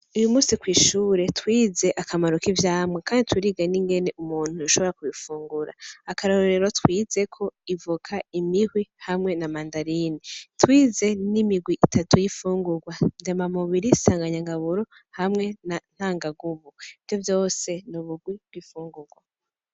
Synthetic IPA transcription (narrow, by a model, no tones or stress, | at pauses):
ujumuːsikwiːʃuːɾe̞twiːze̞ʔakamaɾokivjaːmŋekʰaːnditwiɾiɡaniŋɡe̞ne̞ʔumuːn̥hujuʃo̞βo̞ɾakuβifuːŋɡuɾa̰ːkaɾoɾe̞ɾotwiːze̞kʰo̞ivukʰaimihwihamŋe̞namandaɾinitwiːze̞nimiɡwiʔitʰatujifuːŋɡuɡwandemamuβiɾisaːŋɡaɲaŋɡaβuɾo | hamŋe̞nan̥haːŋɡaɡuβuivjo̞vjo̞ːse̞nuβuɡwib̥wifuːŋɡuɡwa